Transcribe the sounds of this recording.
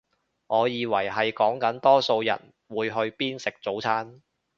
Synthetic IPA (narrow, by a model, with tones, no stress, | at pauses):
ŋɔː˨˧jiː˨wɐ˨˩jɦɐ˨jkɔː˨˥ŋkɐ˨˥nt̪ɔː˥so˧wjɐ̰˨˩n | wuː˨˧jɦɵ˧ɥpiː˥nsɪ˨k̚t͡so˨˥wt͡sʰaː˥n